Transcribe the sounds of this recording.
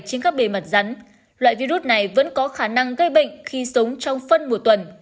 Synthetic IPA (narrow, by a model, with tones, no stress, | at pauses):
t͡ɕe˧nkaː˦˥k̚ɓe˨˩mə˨˩t̚za˨˦n | lwa̰ː˧˨jvi˧zu˦˥t̚na˨˩jvə̰˧˥nkɔ˨˦xaː˧˩na˧ŋɣə˧jɓə̰˧˨ŋ̟xi˧sə˨˦wŋ͡mt͡ɕɔ˧wŋ͡mfə˧nmo˨˩t̚t̪wə˨˩n